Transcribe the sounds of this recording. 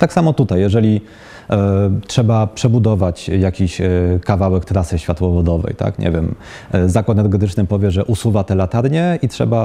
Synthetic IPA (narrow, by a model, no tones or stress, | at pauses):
t̪aksamɔt̪ut̪ajːɛʐɛlʲi | tʂɛbapʂɛbud̪ɔvat͡ɕjakʲiɕkavawɛkt̪ɾasɘɕfʲjat̪wɔvɔd̪ɔvɛ̰jt̪a̰kɲʔɛ̰vʲjɛm | zakwat̪nɛɾɡɛt̪̬ɘt͡ʂnɘpɔvʲjɛʐɛʔusuvat̪ɛlat̪aɾɲɛitʂɛ̰ba